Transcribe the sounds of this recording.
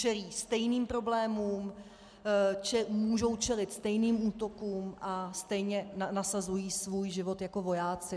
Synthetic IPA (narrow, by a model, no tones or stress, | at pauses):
t͡ʃɛliːst̪ɛjniːmpɾo̞blɛːmuːm | t͡ʃɛmuːʒo̞wt͡ʃɛlɪt̪st̪ɛjniːmuːt̪o̞kuːmʔast̪ɛjɲɛnanasazujiːsvuːjʒɪvo̞t̪jako̞vo̞jaːt͡sɪ